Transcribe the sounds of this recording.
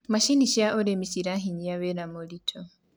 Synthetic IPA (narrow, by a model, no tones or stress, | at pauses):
maʃiniʃaʔoɾemisiɾaɦiɲiaβeɾamolitʰɔ